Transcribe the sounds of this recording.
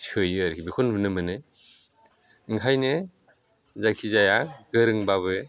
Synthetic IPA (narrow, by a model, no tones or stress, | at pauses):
sʰɯjɯɾkʰibikʰɔnbɯnɯmɯnɯ | ɯŋkʰajnɯ | zakʰizajaɡɯɾɯŋbaβɯ